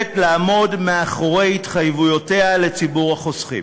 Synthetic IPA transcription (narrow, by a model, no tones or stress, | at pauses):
tlaːmo̞dmeaχo̞ʁe̞jitχajvujo̞te̞ale̞t͡sibuʁaχo̞sχḭ